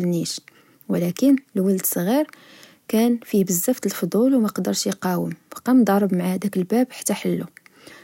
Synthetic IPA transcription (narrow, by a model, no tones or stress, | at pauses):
lniʃ | wəlækənlwəld̪sˤɣiɾ | kænfibəzːæft̪əlfod̪ˤulwmæqd̪əɾʃjqɑwəmb̥qɑmd̪ˤɑɾˤəbmaʕahæd̪ækəlbæbħḁt̪ːæħəlːu